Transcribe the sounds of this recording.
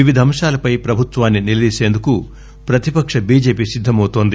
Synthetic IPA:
iʋid̪ʱɐmʂaːlɐpɐjpɾɐbʱut̪ʋaːnːinilɐd̪iːseːnd̪uku | pɾɐt̪ipɐkʂɐbiːd͡ʒe̞ːpiːsid̪ʱːɐmɐwt̪oːnd̪i

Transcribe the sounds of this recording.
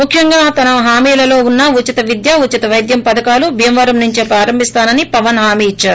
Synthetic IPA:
mukʰjɐŋɡaːt̪ɐnɐɦaːmiːlɐlo̞ːunːɐut͡ʃit̪ɐʋid̪jaːut͡ʃːit̪ɐʋɐjd̪jɐmpɐd̪ɐkaːlubʱijɐmʋɐːɾɐmnuɲt͡ʃipɾaːɾɐmbʱist̪aːnɐnipɐʋɐnɦaːmiːit͡ʃːaːɾu

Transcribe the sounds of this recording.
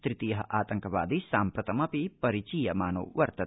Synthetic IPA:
t̪ɾit̪ijɐɦɐʔaːt̪ɐŋkɐʋa̰ːd̪isaːmpɾɐt̪ɐmɐpipɐɾit͡ʃiːjɐmaːno̰ːʋɐɾt̪ɐ

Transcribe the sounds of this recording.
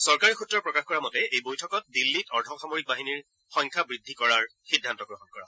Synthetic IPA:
sɔɹkaɹixutːɹɔɹpɹɔkaxkɔɹamɔtɛejbojtʰɔkɔt̚dilːitɔɹtʰɔxamoɹik̚baɦiniɹ | xɔŋkʰabɹidʱːikɔɹaɹxidʱantɔɡɹɔɦɔnkɔɹa̰

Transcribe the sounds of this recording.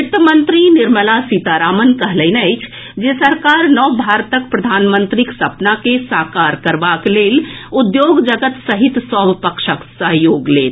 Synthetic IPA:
ɪt̪mənt̪ɾinɪɾməlasit̪aɾaːmənkəɦləɪnəɪt͡ʃʰ | d͡ʒesəɾkaɾnɔbʱaɾt̪əkpɾəd̪ʱaːnmənt̪ɾiksəpnakesakaɾkəɾbakleːlud̪joɡd͡ʒəɡət̪səɦit̪sɔbpəkʃəksəɦjoːɡleːt̪

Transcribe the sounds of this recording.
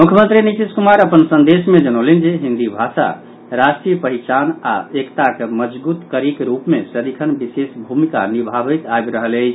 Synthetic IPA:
mukʰjəmə̃nt̪ɾinit̪iskumaɾəpənsə̃nd̪esmed͡ʒənolind͡ʒeɦind̪ibʱasa̰ | ɾasʈɾijəpəɦit͡ʃana̰ekt̪akeməd͡ʒbut̪kəɾikɾupmesəd̪ikʰənbisesbʱumika̰nibʱabəjt̪ajbɾəɦəle

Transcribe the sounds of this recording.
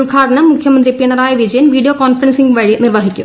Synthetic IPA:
ʊɭɡʱaːʈɐɳɐmːʊkʰjɐmɐnd̪ripiɳɐɾaːjɐʋid͡ʑɐjɐnʋiːɖijokaːnfɐɾɐnsiŋɡʋɐɻinirʋɐɦikʲːṵ

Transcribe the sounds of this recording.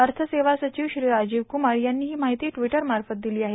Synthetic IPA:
əɾt̪ʰəseʋasət͡ɕiːʋɕɾiːɾad͡ʑiːʋkumaɽjanːiːɦiːmaɦit̪iːʈʋiʈəɾmaɾfət̪̚d̪iliːaɦe

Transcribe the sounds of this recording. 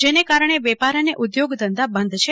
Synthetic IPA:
d͡ʒenekaɾəɳ̃eʋɛpaɾəneʔud̪joɡd̪ənd̪abənd̪ʱt͡ʃʰe

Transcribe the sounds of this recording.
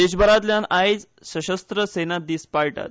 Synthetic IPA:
d̪eɕ̬bəɾat̪ljanajd͡z | səɕəst̪ɾəsenat̪̚d̪iːspaɭʈa̰t̪

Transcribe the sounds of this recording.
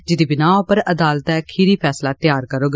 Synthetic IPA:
d͡ʒɪd̪iːbɪnaːpəɾəd̪aːlt̪ɛːkʰiɾiːpʰɛːslaːt̪jaːɾkəɾoːɡ

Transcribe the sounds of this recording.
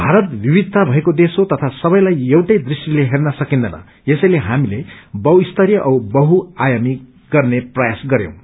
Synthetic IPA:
bʱaɾʌt̪bʱibid̪̚ʱt̪ːabʱʌekod̪esot̪ʌt̪ʰasʌbʌj̃lajʌwʈʌjd̪risʈileɦernʌsʌkind̪ʌnʌ̰ | esʌjleɦamilebʌuist̪ʌɾjʌʔʌwbʌɦuajami | ɡ̥ʌrneprʌjasɡʌɾjõ̰w̃

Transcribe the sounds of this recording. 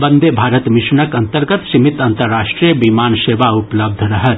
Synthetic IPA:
bɐ̃nd̪ʱebʱaːɾət̪mɪʃɳəkɐ̃nt̪əɾɡət̪simɪt̪ɐ̃nt̪əɾːaːʃʈɾijəbimaːnʃeːʋaʊpləb̚d̪ʱɾɐɦət̪

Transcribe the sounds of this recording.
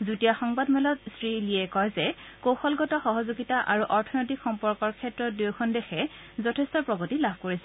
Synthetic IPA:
zutijaxɔŋbadmɛlɔtsɹiliɛkɔjzɛkowxɔlɡɔtɔxɔɦɔzuɡitaʔaɹuʔɔɹtʰɔnotikxɔmpɔɹkɔɹkʰɛtɹɔtduwkʰɔndɛxɛ | zɔtʰɛstɔpɹɔɡɔtilabʱkoɹisɛ

